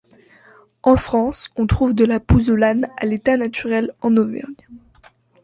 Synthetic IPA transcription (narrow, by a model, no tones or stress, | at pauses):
ɑ̃fχɑ̃sɔ̃t̪χuvd̪əlapuzolana̰let̪anat̪yʁɛlɑ̃nɔvɛ̰ʁn